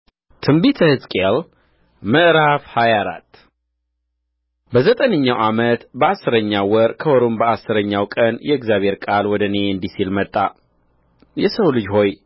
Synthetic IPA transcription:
t̪ʰɨmbit̪ʰəhɨzkʼel | məʔɾafhajaɾa̰t̪ː | bəzət̪ʼənəɲːawʔamət̪bəasːɨɾəɲːawɔɾkʰəwɔɾombəasːɨɾəɲːawkʼənjɛɪɡzjaβhe̞ɾkʼalwɔd̪əneɨnd̪isilmət̪ʼːa | jɛsəwlɨd͡ʒho̞j

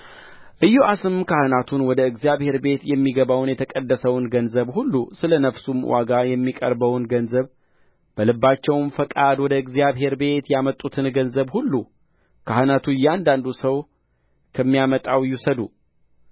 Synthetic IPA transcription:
ʔɨjːuʔasɨmkʰahɨnat̪ʰunwɔd̪əɨɡzijaβhe̞ɾbe̞t̪jɛmːiɡəβawnjɛt̪ʰəkʼəd̪ːəsəwnɡənzəβhulːusɨlənəfsumwʔa̰ɡajɛmːikʼə̰ɾbəwnɡənzəβ | b̥əlɨbːat͡ʃːɛwmfəkʼad̪wɔd̪əɨɡzijaβɦe̞ɾbe̞t̪jamət̪ʼːut̪ʰɨnɡənzəβhulːu | kʰahɨnat̪ʰujːɛand̪and̪usəw | kʰəmːijamət̪ʼawjusəd̪u

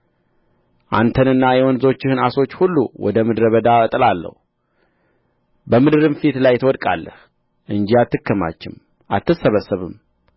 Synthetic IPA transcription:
ʔa̰nt̪ʰənɨnːajɛwɔnzo̞t͡ʃːɪhɨnaso̞t͡ʃːhulːṵwʔɔ̰d̪əmɨd̪ɾəβəd̪aət̪ʼɨlalːə̰hu | bəmɨd̪ɨɾɨmfit̪lajt̪ʰwɔd̪kʼa̰lːəh | ʔɨnd͡ʒiat̪ːɨkːəma̰t͡ʃːɪm | ʔat̪ːɨsəβəsːəβɨm

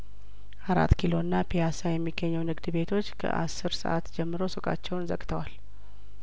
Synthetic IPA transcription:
ʔaɾa̰t̪ːkʰilo̞ɨnːapʰijasajɛmːiɡːəɲːɛwnɨɡd̪be̞t̪ʰo̞t͡ʃːkʰə̰ʔa̰sːɨɾsə̰ʔat̪d͡ʒɛmːɨɾo̞sɨkʼa̰t͡ʃːɛwnzə̰kʼt̪ʰəwal

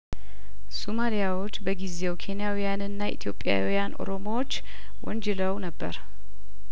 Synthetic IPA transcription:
somalijawo̞t͡ʃːbəɡize̞wkʰe̞njawijanɨnːaʔḭt̪ʰjo̞pʼːja̰wijanʔo̞̰ɾo̞mowot͡ʃː | wʔɔnd͡ʒɛləwnəbːəɾ

